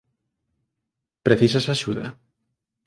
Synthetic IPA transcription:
pɾeθisasaʃuðɐ̰

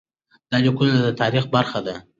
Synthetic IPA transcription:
d̪̥ɑlʲikunad̪ət̪ʰɑɾixbaɾχad̪a

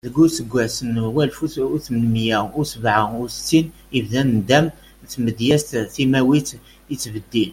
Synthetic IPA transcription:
ðəɡusəɡʷːæsənwælfuuθmənmjæusəbʕaust̪ːin | ivðænnd̪æm | t̪məd̪jæst̪θimæwit̪ | ət͡sːbəd̪ːil

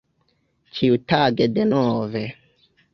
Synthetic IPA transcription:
t͡ʃiutaɡedenove

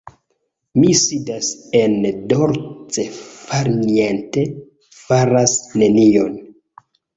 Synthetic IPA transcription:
misidase̞ndoɾt͡sefaɾniente̞ | faɾasne̞nio̞̰n

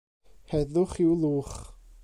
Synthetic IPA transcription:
hɛðʊχɪwlˠuːχ

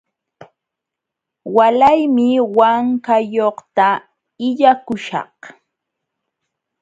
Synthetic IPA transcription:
walajmɪwaŋkajoχt̪a | ɪʎakʊʃɑ̰χ

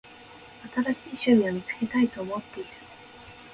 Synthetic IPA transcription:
at̪aɾaɕiːɕɨmʲiamʲit͡sɨ̥ke̞t̪ait̪o̞ːmo̞t̪ːe̞iɾɯ̥

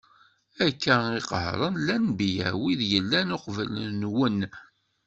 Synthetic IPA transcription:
ækːæiqəhɾˤənlænbijə̰wiðjəlːænʊqvəlnwən

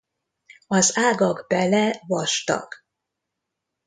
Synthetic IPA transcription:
ɒzaːɡɒɡbɛlɛvɒʃt̪ɒ̰k

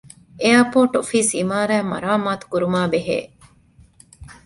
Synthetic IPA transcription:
ʔeɐpoːʈofiːsimaːɾæːmɐ̰ɾaːmaːt̪u̥kuɾumaːbeɦḛː

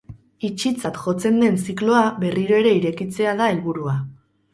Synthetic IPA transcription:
it͡ʃit͡sat̪ʝo̞t͡se̞nd̪e̞nsiklo̞aβe̞riɾo̞e̞ɾe̞iɾe̞kit͡se̞aðae̞lβuɾua

